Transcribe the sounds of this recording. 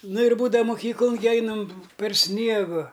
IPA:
ˈnʊ ɪr ˈbuːdɐʋɐ ˈmʊkʲiːklˠʊn ɡʲɪ ˈɛɪnɐm pʲɛr ˈsʲnʲiɛɡʊ

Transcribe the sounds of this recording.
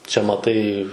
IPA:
t͡ʃʲɛ mɐˈtɐɪ

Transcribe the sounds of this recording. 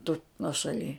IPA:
tʊ nuɔʃɐˈlʲiː

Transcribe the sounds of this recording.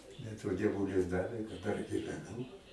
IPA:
bʲɛt ʋɐ dʲiɛˈʋʊlʲɪs ˈdɑːʋʲeː kɐt dɐr ɡʲɪʋʲɛˈnuː

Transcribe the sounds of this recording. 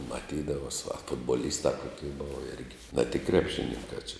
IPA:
mɐˈtʲiːdɐʋɐs ɐ fʊdbɐˈlʲiːstɐ ˈkoːkʲɛɪ ˈboːʋɐ ˈɪrʲɡʲɪ nɐ tʲɪk ˈkrʲæːpʲˌʃʲɪnʲɪŋkɑː t͡ʃʲɪ

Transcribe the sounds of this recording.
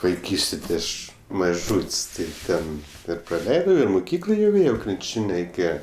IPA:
ʋɐɪˈkʲiːsʲtʲeː tʲɪ ˈɐʃ mɐˈʒuːtʲsʲ tɐɪ ˈtʲɛn ɪr prɐˈlʲɛɪdɐʊ ɪr mʊˈkʲiːklˠoː jɛʊ ˈeːjɛʊ krʲɪnʲˈt͡ʃʲɪnʲ rʲɛɪˈkʲeːjɛ

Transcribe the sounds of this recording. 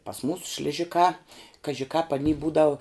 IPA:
pɐs ˈmuːsʊ ʃʲlʲɪˈʒʲɪkɑː kɐʒʲɪ kɑːp ɐˈnʲiː ˈbuːdɐʊ

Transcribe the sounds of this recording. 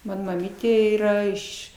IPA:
ˈmɑːnoː mɐˈmʲiːtʲeː ˈiːrɐ ˈɪʃ

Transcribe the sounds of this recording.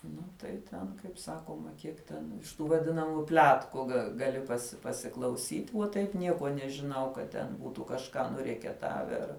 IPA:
ˈnʊ tɐɪ tʲɛn kɐɪp ˈsɑːkoːmɐ ˈkʲiɛk tʲɛn ɪʃ ˈtuː ʋɐˈdʲɪnɐmuː ˈpʲlʲæːtkʊ ɡɐ ɡɐˈlʲɪ ˈpɑːsʲɪ pɐsʲɪklˠɐʊˈsʲiːtʲ uɔ ˈtɐɪp ˈnʲiɛkuɔ nʲɛʒʲɪˈnɐʊ kɐ tʲɛn ˈbuːtʊ kɐʃˈkɑː nʊrʲiɛkʲɛˈtɑːʋʲɛ ˈɐr

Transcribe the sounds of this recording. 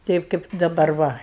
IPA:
ˈtʲɛɪp kɐɪp dɐˈbɐr ˈʋɐ

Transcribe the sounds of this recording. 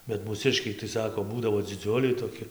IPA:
bʲɛt muːˈsʲɪʃʲkʲɛɪ tɐɪ ˈsɑːkoː ˈbuːdɐʋoː d͡zʲɪˈd͡zʲʊlʲɛɪ toːˈkʲɪ

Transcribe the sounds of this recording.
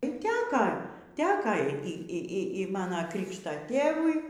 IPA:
iː ˈtʲæːkɐ ˈtʲæːkɐ ˈiː ˈiː ˈiː ˈiː ˈmɑːnɐ ˈkrʲɪkʃtɐ ˈtʲeːʋʊɪ

